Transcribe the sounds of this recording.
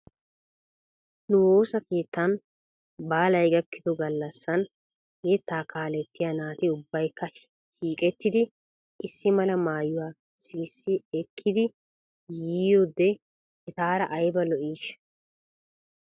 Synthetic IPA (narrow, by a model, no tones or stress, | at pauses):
nʊwo̞ːsɐke̞ːt̪ːɐn | baːlɐjɡɐkːɪd̪ɔɡɐlːɐsːɐn | jɛt̪ːaːkaːlɛt̪ːɪjanaːt̪ɪʊbːɐjkːɐ | ʃiːkʼɛt̪ːɪd̪ɪ | ɪsːɪmɐlɐmaːjʊwaː | siːsːɪɛkʰːɪd̪ɪ | jiːjoːd̪ɛ | ɛt̪aːɾɐʔɐjbɐlɔʔiːʃ